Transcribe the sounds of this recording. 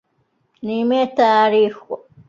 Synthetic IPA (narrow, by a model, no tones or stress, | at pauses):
nimet̪aːɾixo